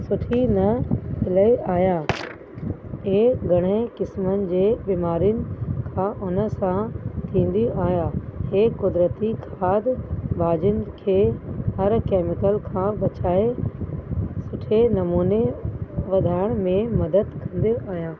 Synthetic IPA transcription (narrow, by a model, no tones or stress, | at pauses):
sʊʈʰinɐpɪləiʔaːjaː | ɦeːɡʱɐɽ̃ekɪsmənɪ̆d͡ʑeːbiːmaːɾijʊnɪ̆kʰãːʔʊnə̆sãt̪ʰĩːn̆d̪iʔaːjaːɦeːkʊd̪ɾət̪ikʰaːd̪bʱaːd͡ʑʊnɪ̆kʰeːhɐɾkeːmɪkəlkʰãːbɐt͡ɕaːe | sʊʈʰenɐmuːneʋɐd̪ʱaːɪɽ̃mẽmɐd̪əd̪kʰɐ̃nd̪eʔaːɦijãː